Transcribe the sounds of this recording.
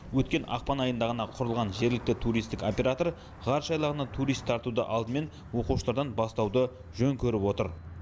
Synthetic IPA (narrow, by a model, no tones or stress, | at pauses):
wɵt̪kʲe̞nʔɑ̰qpɑnɑjənd̪ɑʁənɑqʰʊɾəlˠʁɑnʒe̞ɾlɪk̚t̪ɪt̪ʰuɾijst̪ɪko̞pe̞ɾat̪o̞ɾ | ʁɑɾʃɑjlˠɑʁənɑt̪ʰuɾijst̪ʰːɑɾt̪ud̪ə̰ʔɑlˠd̪əme̞n | wo̞quʃəlˠɑɾd̪ɑnbɑst̪ɑwd̪ə | ʒ̥ɵŋkʲʰɵɾɪpwo̞t̪əɾ